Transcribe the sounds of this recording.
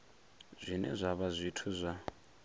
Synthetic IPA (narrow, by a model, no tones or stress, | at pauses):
z̥ʷinɛ̰zʷaβazʷitʰuzʷa